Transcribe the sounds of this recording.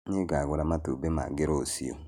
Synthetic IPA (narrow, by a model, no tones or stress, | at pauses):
ɲiɡaɡʷʊɾamatobema̰ɡeɾosḭo̰